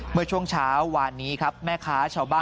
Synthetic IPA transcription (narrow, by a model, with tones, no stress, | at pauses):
mɯ˥˩t͡ɕʰu˥˩əŋt͡ɕʰaː˦˥wːaː˧nːiː˦˥kʰa˦˥p̚mɛː˥˩kʰaː˦˥t͡ɕʰaː˧˥˩wbaː˥˩